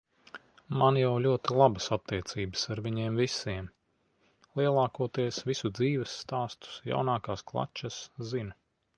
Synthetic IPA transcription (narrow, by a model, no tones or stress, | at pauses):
manjawlʲuɔt̪ilˠabəsat̪ːiɛt̪siːbə̥saɾvʲiɲiɛmvisiɛm | lˠiɛlˠɑːkuɔt̪iɛsvisud̪ziːvɛsːt̪aːst̪u̥sja̰wnaːkaːsklˠa̰t͡ʃːaszin